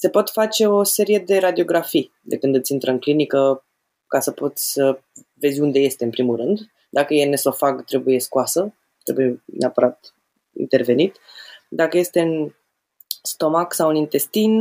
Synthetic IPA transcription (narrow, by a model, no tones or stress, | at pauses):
se̞po̞t̪fat͡ʃe̞o̞se̞ɾije̞d̪e̞ɾad̪io̞ɡɾafi | d̪e̞kɨnd̪ɨt̪sʲint̪ɾəɨŋklinikə | kasəpo̞t̪sʲsəve̞zʲund̪e̞je̞st̪e̞ɨmpɾimulrɨnd̪ | d̪akəjene̞so̞faɡt̪ɾe̞buje̞skuasə | t̪ɾe̞buje̞nʔeapəɾat̪ | ḭnt̪e̞rve̞nit̪d̪akəje̞st̪e̞ɨn | st̪o̞maksawɨnint̪e̞st̪in